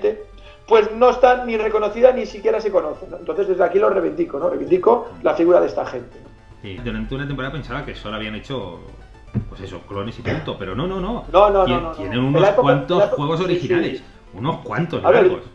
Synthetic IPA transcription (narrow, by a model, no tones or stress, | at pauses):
t̪e | pwe̞sno̞est̪anire̞ko̞no̞θiðanisikje̞ɾase̞ko̞noθenont̪o̞nθeðe̞zðeakilo̞re̞βend̪iko̞noreβind̪iko̞lafiɣuɾaðe̞st̪axe̞nt̪eno | sid̪uɾant̪eunat̪empoɾaðape̞nsaðakesolaβianet͡ʃo | pwe̞seso̞̰klo̞ne̞sipult̪ope̞ɾono̞no̞no̞nonoeot̪jenenunoaskwant̪oxwe̞ɣ̞o̞s̬o̞ɾixinales | uno̞skwa̰nt̪osaβeɣos